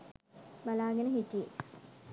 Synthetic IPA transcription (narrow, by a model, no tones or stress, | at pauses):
balaːɡənəɦiʈːije